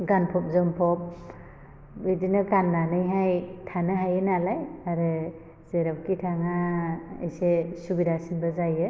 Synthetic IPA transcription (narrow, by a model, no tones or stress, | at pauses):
ɡanpʰɔp̚zɯmpʰɔp̚ | bedinɯɡanːanɯjɦajtʰanɯɦajɯnalajaɾɯ | z̥eɾap̚kitʰaŋaḭjsesubiɾasinbɯzajɯ